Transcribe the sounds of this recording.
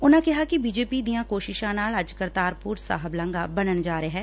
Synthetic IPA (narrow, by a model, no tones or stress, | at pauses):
ʊnãkɛɦakibiːd͡ʒeːpid̪ijãkoːʃɪʃãnaːləd͡ʒkəɾt̪aːɾpuːɾsa̰ːɦəblə̃ŋɡabənənd͡ʒaːɾəeɦɛː